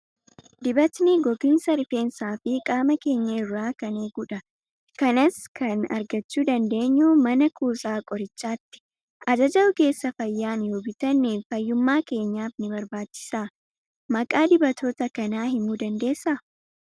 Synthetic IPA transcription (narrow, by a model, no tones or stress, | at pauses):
d̪ɪbɐt̪nɪɡɔɡɪnsɐɾɪfe̞ːnsaːfɪkʼaːmɐke̞ːɲːɐɪrːaːkɐneːɡuːᶑɐ | kɐnɐskʰɐnɐ̰ɾɡɐt͡ʃːuːd̪ɐnd̪e̞ːɲːuːmɐnɐkʰuːsʼaːkʼɔɾɪt͡ʃːaːt̪ːɪ̥ | ʔɐd͡ʒɐd͡ʒɐɔke̞ːsːɐfɐjːaːnjoːbɪt̪ɐnːefɐjːʊmːaːke̞ːɲːaːfnɪbɐɾbaːt͡ʃːɪ̥saː | mɐkʼaːd̪ɪbɐt̪ʰo̞ːt̪ɐkɐnaːɦɪmuːd̪ɐnd̪e̞ːsːa